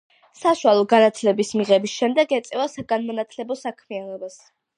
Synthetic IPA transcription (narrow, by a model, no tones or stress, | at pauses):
saʃwalˠɔɡanat̪ʰlɛbismiʁɛbisʃɛmd̪ɛɡɛt̪sʼɛvasaɡanmɔnat̪ʰlɛbɔsakʰmianɔbas